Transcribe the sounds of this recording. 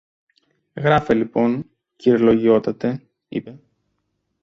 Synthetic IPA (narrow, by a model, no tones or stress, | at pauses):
ɣɾɐfelipo̞n | ciɾlo̞ʝio̞t̪ɐt̪e̞ | ḭpe̞